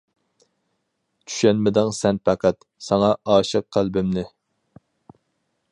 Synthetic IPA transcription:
t͡ʃʰy̥ʃɛnmɪd̪ɪŋsɛnpʰæqæt̪ | sɑŋɑʔɑːʃɨq̚qʰːælˠbɪmnɪ

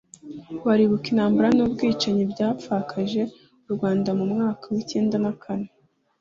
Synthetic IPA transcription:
waɾiβukinaːmbuɾanuːbɡiːt͡ʃaɲibɟaːfakʰaʒe̞ | uɾɡwaːndamumŋaːkawice̞ːndanakʰane

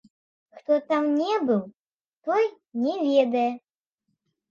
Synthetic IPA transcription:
xt̪ɔt̪amnʲɛbɨw | t̪ɔj | nʲɛvʲed̪ɐjɛ

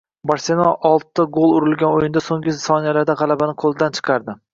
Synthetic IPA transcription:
baɾsenɒʔɒlˠt̪ːɪɡolˠʊɾɪlɡʲanojɪnd̪asoŋɡɪsɒnijalaɾd̪aʁɑlˠabanɪqʰolˠd̪ant͡ʃʰɨ̥qʰɑɾd̪ɪ

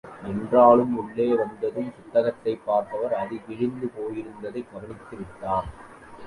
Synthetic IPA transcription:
ʔɛndraːɭɯmʊɭːeːʋɐnd̪ɐðɯmpʊt̪ːɐɣɐt̪ːɐɪpːaːɾt̪ɐʋɐɾɐðɪʋɪɻɪnd̪ɯpoːjɪɾɯnd̪ɐðɐɪɡɐɣɐɳɪt̪ːɪʋɪʈːaːɾ

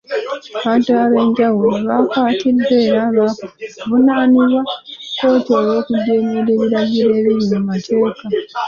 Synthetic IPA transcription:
aβaːntuaɾe̞ːɲɟawuluβakwaːtid̪ːe̞ːɾaːβakuβunaːniβwako̞ːtoːjo̞ːkuɟeːmeɾe̞ːβiɾaɟiɾe̞ːβiɲimumatʰe̞ːka

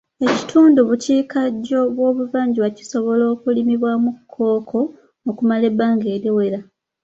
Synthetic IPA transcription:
e̞ci̥tʰuːnduβuciːkaɟo̞βwo̞ːβuvaːɲɟiwaci̥so̞βo̞lo̞ːkulimiβwamukʰːo̞ːkʰo̞ː | kumale̞bːaːŋɡe̞ːɾiwe̞ɾa

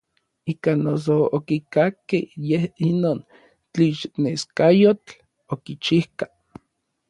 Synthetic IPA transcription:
ikanos̬ookikakːehjehinoːn | t͡ɬiʃneskajot͡ɬ | okit͡ʃihkḁ

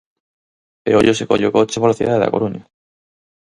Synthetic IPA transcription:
peɾo̰ʎosekoʎokot͡ʃeβolθḭðaðeða̰koɾuɲa

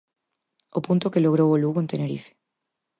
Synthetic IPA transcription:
opunt̪okeloɣ̞ɾowoluɣoent̪eneɾḭfe̥

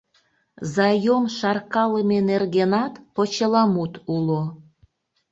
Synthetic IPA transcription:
zɑjomʃɑrkɑləmenerɣenɑt̪pot͡ɕəlɑmut̪ulo

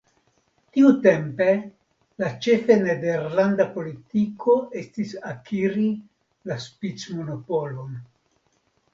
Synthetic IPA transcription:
tiute̞mpe̞ | lat͡ʃe̞fenedeɾlandapo̞litiko̞e̞stisakiɾi | laspit͡smo̞no̞po̞lo̞n

